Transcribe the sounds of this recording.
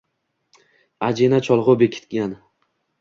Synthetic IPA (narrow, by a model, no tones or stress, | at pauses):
ad͡ʒenat͡ʃʰɒlˠʁʊbekʲʰɪ̥t̪̚ɡʲan